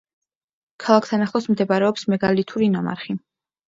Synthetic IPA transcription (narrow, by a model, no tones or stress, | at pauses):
kʰalˠakʰt̪ʰanaχlˠɔsmd̪ɛbaɾɛɔpsmɛɡalit̪ʰuɾinama̰ɾχi